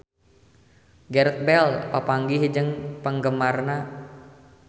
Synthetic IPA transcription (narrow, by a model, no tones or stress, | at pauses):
ɡɛɾət̪̚bɛlpapaŋɡiɦd͡ʒəŋpəŋɡəmarna